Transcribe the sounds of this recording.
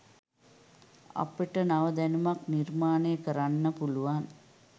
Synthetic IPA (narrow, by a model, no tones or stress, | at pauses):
a̰peʈənaʋəd̪ænumaknirmaːneːəkəɾanːəpuluʋan